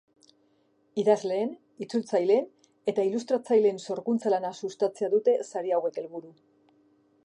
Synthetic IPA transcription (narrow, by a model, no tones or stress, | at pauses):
iðazle̞ːn | it͡sult͡sajle̞n | e̞t̪ailust̪ɾat͡sajle̞nso̞ɾkunt͡salanasust̪at͡seaðut̪e̞saɾiawe̞ke̞lβuɾu